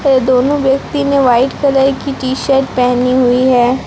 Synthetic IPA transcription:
ed̪oːnõʋjəkt̪ineʋaːɪʈkəlakiʈiːʃəɾʈ̚pɛɦniɦʊiɦɛː

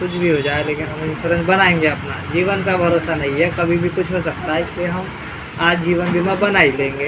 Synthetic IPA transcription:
kʊt͡ʃʰbʱiɦod͡ʒaːeleːkɪnɦɐmisʊɾə̃nsbɐnaːẽːŋɡeɐpnad͡ʒiːʋənkabʱɐɾoːsanɐɦĩɦɛkɐbʱibʱikʊt͡ʃʰɦos̬ɐk̚t̪aɦɛɪslieɦɐm | aːd͡ʒd͡ʒiːʋənbʱimãbɐnaːilẽːŋɡeː

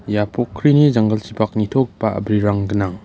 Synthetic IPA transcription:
japokʰːɾinizaŋɡɐlt͡ʃipak̚nitʰok̚paɐ̰bɾiɾaŋɡənaŋ

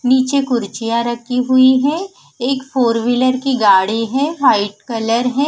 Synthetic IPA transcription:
niːt͡ʃekʊɾt͡ʃijãɾɐkʰiɦʊiɦɛ̃ | eːkfʰoːɾʋɪləɾkiɡaːɽiɦɛ̃ːʋaːɪʈkɐləɾɦɛ̃ː

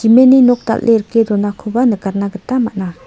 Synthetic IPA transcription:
imeninot̪a̰llːʔeɾəkːed̪onakʰopanəkarnaɡət̪amaʔna

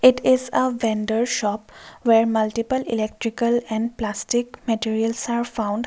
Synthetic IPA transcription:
ɪʈɪzəʋɛ̃nɖəɾʃɔpʋeɾmɐlʈipəlilek̚ʈɾikəlɛ̃ɳɖplasʈikmeʈiɾiəlsaːɾfãʊ̃ɳɖ

